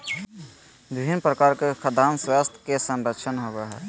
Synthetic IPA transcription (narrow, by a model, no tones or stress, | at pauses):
bibʱinpɾəkaɾkekʰəd̪amswast̪ʰkesə̃nɾəkʃʰənɦobɛɦɛ